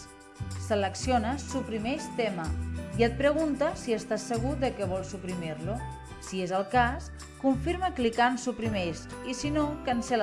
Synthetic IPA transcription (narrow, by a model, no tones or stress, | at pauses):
sələksionəsupɾimɛʃt̪ɛməiət̪̚pɾəɣunt̪əsiəst̪asːəɣ̞uðəkɛβ̞ɔlˠsupɾimiɾlu | siezəlˠkas | kuɱfiɾməklikansupɾimɛs | isinokənsəl